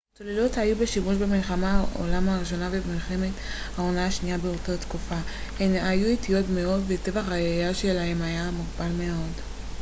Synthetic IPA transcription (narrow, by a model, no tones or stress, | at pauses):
tolelothajubeʃimuʃbemilχamao̰lamhaʁiʃ̬o̞navebmilχeme̞t | hao̞naʃnijabeotat̪kufahenajuitijo̞tmeo̞dvete̞vaχajejaʃelahe̞majamuʁbalmeo̞d